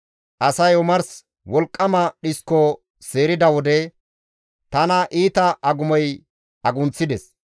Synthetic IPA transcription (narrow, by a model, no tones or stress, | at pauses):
ʔɐsɐjɔmɐɾs | wɔlkʼːɐmɐɗɪskɔ | se̞ːɾɪd̪ɐwɔd̪ɛ | t̪ɐnɐʔiːt̪ɐʔɐɡʊmɔj | ɐɡʊnt͡sːɪd̪ɛs